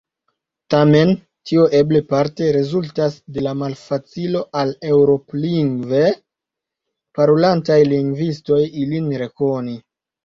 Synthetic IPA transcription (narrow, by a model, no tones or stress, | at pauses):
tame̞n | tioʔe̞ble̞paɾte̞ɾezultasde̞lamalfat͡silo̞ʔale̞wɾo̞pliŋɡve̞ | paɾolantajliŋɡvisto̞jilinɾe̞ko̞ni